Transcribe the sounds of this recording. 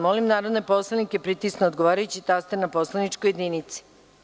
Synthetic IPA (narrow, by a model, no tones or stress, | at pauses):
molimnaːɾod̪nepo̞slˠanikepɾit̪isnood̪ɡoʋaːɾajut͡ɕit̪ast̪enaposlˠanit͡ʃkojed̪ninit̪si̥